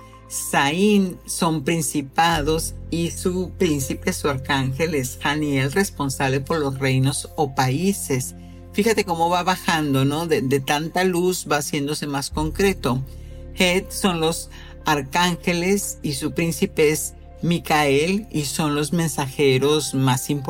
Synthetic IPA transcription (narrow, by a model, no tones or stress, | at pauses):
sainso̞mpɾinsipaðo̞sisupɾinsipesuaɾkaŋxe̞lesxanje̞lre̞spo̞nsaβle̞po̞ɾlo̞sre̞jno̞sopaise̞s | fixat̪e̞ko̞mo̞βaβaxand̪o̞no̞ðed̪e̞t̪ant̪aluzβaːsje̞nd̪o̞se̞masko̞ŋkɾe̞t̪o̞ | xet̪so̞nlo̞s | aɾkaŋxe̞le̞sisupɾinsipees | mikaeliso̞nlo̞zmẽ̞nsaxe̞ɾo̞zmasimp